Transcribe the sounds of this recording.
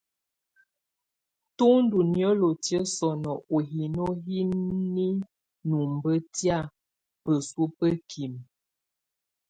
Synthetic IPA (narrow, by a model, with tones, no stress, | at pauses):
to˦n˦du˨njə˦lo˨tjə˦sɔ˨nɔ˨ʔo˨ɦi˨no˦ɦi˦ni˦ | nu˨m˨bə˦tja˦˨ | pə˨swu˦pə˦kʰi˨m